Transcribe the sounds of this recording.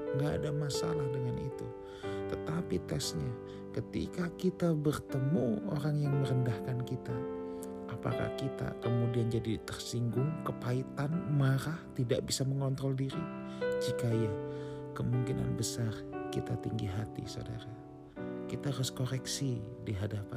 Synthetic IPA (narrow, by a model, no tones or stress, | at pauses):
ŋɡa̰ːdamasa̰lahdəŋanḭt̪u | t̪ət̪apit̪ɛksɲa | kət̪ḭkakit̪abərt̪əmuo̰ɾaŋjaŋməɾəndahkankit̪a | ʔapa̰ka̰hkit̪a̰kəmudiand͡ʒadit̪ərsiŋɡʊŋkəpait̪anmaɾaht̪idaʔbisaməŋɔnt̪ɾɔldiɾid͡ʒikajakəmuŋkina̰nbəsarkit̪at̪iŋɡiɦat̪ḭso̰da̰ɾa | kit̪aɾʊskoɾɛksidiɦadapa